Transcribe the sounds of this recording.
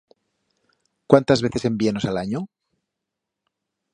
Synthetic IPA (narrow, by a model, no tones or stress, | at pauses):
kwant̪azβ̞eθe̞se̞mbieno̞salaɲo